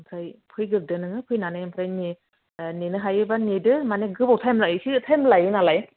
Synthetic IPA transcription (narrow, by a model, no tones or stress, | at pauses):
mpʰɾajpʰɯjɡɯk̚dɯnɯŋɯpʰɯjnanajmpʰɾajni | nenɯɦajɯbanidɯmaneɡɯbawtʰajmlajɯsitʰajmlajɯnalaj